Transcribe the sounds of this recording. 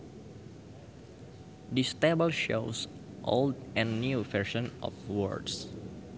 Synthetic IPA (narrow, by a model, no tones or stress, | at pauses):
d̪ist̪ebəlʃos | ʔo̰ldɛ̃nːjuvɛɹʃɔ̃nʔɔ̰fwɔ̰ɹds